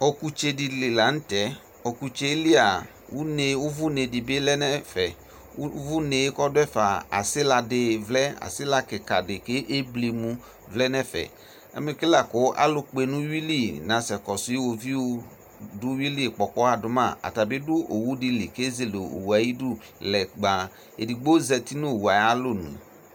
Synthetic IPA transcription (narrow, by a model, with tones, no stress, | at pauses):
o˧ku˧t͡ʃe˧di˧li˨la˨˦ñ̩˦tɛ˨˦ | o˧ku˧t͡ʃe˧˦li˦a˨ | wu˦ne˧wʊ˦vʊ˦ne˧di˨be˦lɛ˦nɛ˦fɛ˨˦ | vu˦ne˨je˦kɔ˦dʊ˦ɛ˦fa˨a̰˨sɪ˦la˧dɪ˨vlɛ˦a̰˨sɪ˦la˧kɪ˨ka˨dɪ˨ke˦ʔe˦ble˨˧mũ˧ | vlɛ˦nɛ˦fɛ̰˨ | ḛ˦me˨ke˦la˨ko˨˦ʔa̰˦lʊ˦k͡pe˨nũ˦wi˦li˦˨nã˨sɛ˨kɔ˨su˨˦i˦wo˨vi˦o˦ | dʊ˦wi˦li˦˨k͡pɔ˨k͡pɔ˦a˨dʊ˨mã˦˨a̰˨ta˨be˦dʊ˦ʔo˨wu˦di˧li˨ke˦ze˦˨lo˨o̰˨wu˨a˨ji˦du˦ | lɛ˨ɡ͡ba˨ | ḛ˨di˨ɡ͡bo˦zɛ˧˨t̪i˦nũ˦˨wu˨a˨ja˦lo˦nṵ̃˨